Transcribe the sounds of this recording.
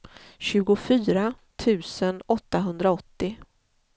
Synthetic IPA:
ɕʉ̟ːɡʊfyːɾat̪ʰʉ̟ːsənɔt̪ːaɦɵnd̪ɾaɔt̪ːɪ

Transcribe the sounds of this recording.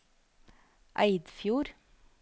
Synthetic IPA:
ʔæɪd̪fjuːɾ

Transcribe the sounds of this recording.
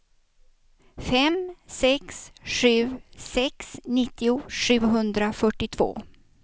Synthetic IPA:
fɛmsɛksɧʉ̟ːsɛksnɪt̪ːɪʊʂʉ̟ːɦɵnd̪ɾafœʈːɪt̪ʰvo̰ː

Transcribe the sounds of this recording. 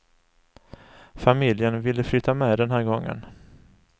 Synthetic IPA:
famɪljənvɪlːəflʏːt̪ːamɛːd̪ɛnɦæːɾɡɔŋːə̰n

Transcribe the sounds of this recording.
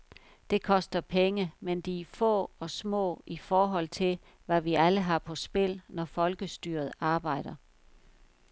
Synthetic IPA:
d̥e̝kʰɒ̽sd̥ɐpʰeŋəmend̥ifɔ̰̽ːɒ̽smɔ̰̽ːifɒːɦɒ̽l̰t͡sʰe̝l | ʋæʋiʔæləɦɑ̈pʰɒ̽sb̥e̝l̰nɒfɒ̽lɡ̥əsd̥yːɐð̞̩ˠɑ̈ːb̥ɑ̈ɪ̰d̥ɐ

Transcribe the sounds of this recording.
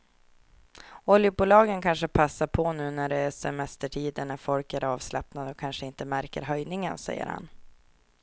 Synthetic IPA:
ɔljəbuːlɑːɡənkʰanʂəpʰasːaɾpʰɔnʉ̟ːnæɖɛsɛmɛst̪əʈʰiːd̪ənːæɾfɔlkæɾɑːvslapnad̪ɔkʰanʂəɪnt̪əmæɾkə̰ɾɦœjnɪŋənsɛ̰jːə̰ɾha̰n

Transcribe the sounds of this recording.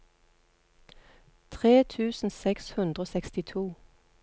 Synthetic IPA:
t̪ʰʁeːt̪ʰʉːsn̩sɛkshʉnd̪ʁoːsɛkst̪ɪt̪ʰuː

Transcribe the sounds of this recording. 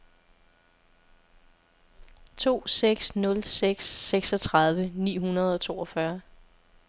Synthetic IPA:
t͡sʰo̝̰ːseɡ̥snɔ̽lseɡ̥seɡ̥sɒ̽t͡sʰʁɑ̈ð̞ˠʋənḭːɦunɐð̞̩ˠɒ̽t͡sʰo̝̰ːɒ̽fɶɐ

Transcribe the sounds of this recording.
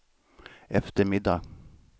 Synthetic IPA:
ɛft̪əɾmɪd̪ːa

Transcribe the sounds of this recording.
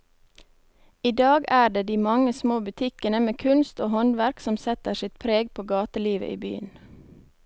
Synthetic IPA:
iːd̪ɑːɡæːɖeːd̪iːmɑŋəsmoːbʉt̪ʰɪkənəmeːkʰʉnst̪oːhɔnʋæɾksɔmsɛt̪əʃɪt̪pʰɾeːɡpʰoːɡɑːt̪əliːʋə̰ʔḭːby̰ːən

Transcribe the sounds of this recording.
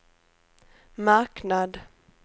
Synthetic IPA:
maɾknad̪

